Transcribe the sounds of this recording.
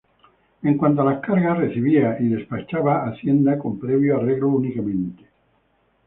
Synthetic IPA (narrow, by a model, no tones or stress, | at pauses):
eŋkwant̪oalakaɾɣareθiβiaʔiðespat͡ʃaβaaθjend̪akompɾɛβjoareɣlounikamẽnt̪e̥